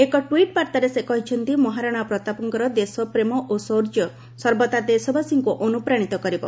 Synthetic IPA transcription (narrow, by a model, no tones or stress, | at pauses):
ekɔʈwiʈ̚paɾt̪aɾesekɔɦit͡ʃʰɔnt̪imɔɦaɾaɽ̃apɾɔt̪apɔŋkɔɾɔd̪esɔpɾemɔʔosoɾd͡ʒɔ | sɔɾbɔt̪ad̪esɔbʱasiŋkuʔɔnupɾaɽ̃it̪ɔkɔɾibɔ̰